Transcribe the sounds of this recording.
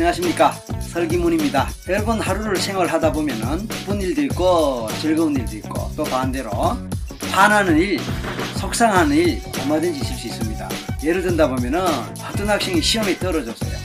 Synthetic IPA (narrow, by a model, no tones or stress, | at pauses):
eɦaɕʰimɲik͈a | sʰʌɭɡimunimɲidajʌɭbʌnhaɾuɾɯɭsʰe̞ŋwʌɭɦadabomjʌnɯnp͈uniɭdoik͈ot͡ɕeɭɡʌuniɭdoik͈o̰t͈opande̞ɾopʰanɦanɯniɭsʰok̚s͈aŋɦanɯniɭʌmadɯnd͡ʑiɕʰims͈uis͈ɯmɲida̰jeɾɯɭdwɯndabomjʌnɯn | pat͈unɦak̚ɕ͈iŋiɕʰiʌmet͈ʌɾʌd͡ʑʌs͈ʌjo̰